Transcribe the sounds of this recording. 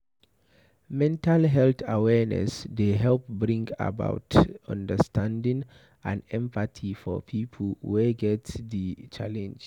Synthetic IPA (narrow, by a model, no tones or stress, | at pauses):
mɛ̃ntalɦɛlt̪awɛɹnɛ̰sdeɦɛlp̚bɹĩŋɡa̰ba̰ʊtʌ̰̃ndəstʰãndĩŋ | ʔã̰nɛ̃mpatʰifɔ̰pʰipʰəl̩weɡɛtðit͡ʃalɛ̃nd͡ʒ